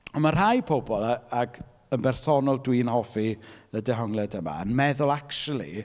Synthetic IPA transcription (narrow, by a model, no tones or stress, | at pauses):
ɔnmar̥hajpʰobɔlˠaaɡ | ənbɛrsɔnɔlˠdwiːnhɔfiədɛɦɔŋlˠɛdəma̰ənmɛðʊlˠakʃulˠḭ